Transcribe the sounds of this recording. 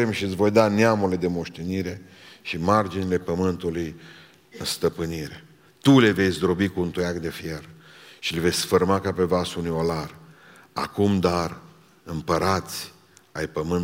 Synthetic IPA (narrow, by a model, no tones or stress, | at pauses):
emʃiɨt̪sʲvo̞jd̪aneamule̞d̪e̞mo̞ʃt̪e̞niɾe̞ʃimard͡ʒinile̞pəmɨnt̪uluj | ɨnst̪əpɨniɾe̞ | t̪ule̞ve̞jsʲd̪ɾo̞bikuunt̪ujakd̪efje̞rʃileve̞sʲsfərmakape̞vasunijo̞lar | a̰kumd̪ar | ɨmpəɾat̪sʲ | ajpəmɨn